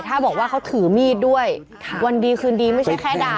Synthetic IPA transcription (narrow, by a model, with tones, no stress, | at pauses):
t̪ʰaː˥˩bɔː˨˩k̚waː˥˩kʰa˦˥wt̪ʰɯː˩˦miː˥˩t̪̚du˥˩əj | wa˧ndiː˧kʰɯː˧ndiː˧ma˥˩jt͡ɕʰjkʰɛː˥˩daː˧